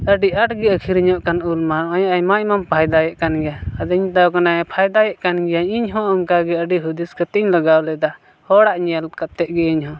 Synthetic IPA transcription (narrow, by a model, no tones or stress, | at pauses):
əɖiʔaʈɡɛəkʰiɾiɲɔʔkanulmanɔjaʔajmaʔjmampʰajd̪ajɛʔkanɡɛjaəd̪ɲt̪awkanapʰajd̪ajɛʔkanɡɛjaɲiɲɦɔ̃ɔŋkaɡɛəɖiɦud̪iskət̪iʔiɲləɡawlɛd̪a | hɔɽaʔɲalkat̪ːɛʔ̚ɡɛiɲɦɔ̃